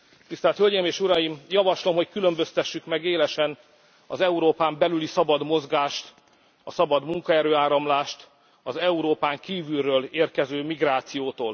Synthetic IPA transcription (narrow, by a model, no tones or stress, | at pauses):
t̪ist̪ɛːlt̪hølɟemeːʃuɾɒjimjɒvɒʃlo̞mɦo̞ckylø̞mbøst̪ɛʃːykmɛɡeːlɛʃɛn | ɒ̰zɛuɾoːpaːmbɛlylisɒbɒd̪mo̞zɡaːʃt̪ | ɒsɒbɒd̪muŋkɒɛɾøːaːɾɒmlaːʃt̪ | ɒzɛuɾoːpaːŋkiːvylrøːleːrkɛzøːmiɡraːt̪sijoːt̪oːl